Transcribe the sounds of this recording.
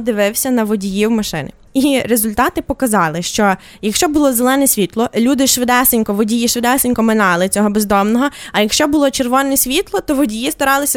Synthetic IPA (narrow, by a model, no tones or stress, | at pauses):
d̪ɪʋɪwsʲɐnɐʋɔdʲijiwmɐʃɪ̰nɪ̰ | iɾezʊlʲt̪ɑt̪ɪpɔkɐzɑlˠɪʃt͡ʃɔ | jɐkʃt͡ʃɔbʊlˠɔzelˠɛnɛsʲʋʲit̪lˠɔlʲud̪ɪʃʋɪd̪ɛsɪnʲkɔʋɔdʲijiʃʋɪd̪ɛsenʲkɔmɪnɑlˠɪt͡sʲɔɦɔbezd̪ɔmnɔɦɔɐjɐkʃt͡ʃɔbʊlˠɔt͡ʃerʋɔnɛsʲʋʲit̪lˠɔt̪ɔʋɔdʲijist̪ɐɾɑlˠɪsʲɐ